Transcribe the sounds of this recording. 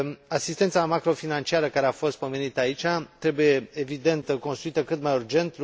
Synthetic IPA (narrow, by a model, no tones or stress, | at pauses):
asist̪e̞nt̪samakɾo̞finant͡ʃiaɾəkaɾeafo̞st̪̚pome̞nit̪əait͡ʃat̪ɾe̞buje̞evid̪e̞nt̪ko̞nst̪ɾuit̪əkɨt̪majurd͡ʒe̞nt̪l